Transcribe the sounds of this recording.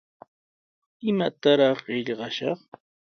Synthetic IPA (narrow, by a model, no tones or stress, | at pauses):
ɪmat̪aɾɑχɢɪʎɢɑʃɑχ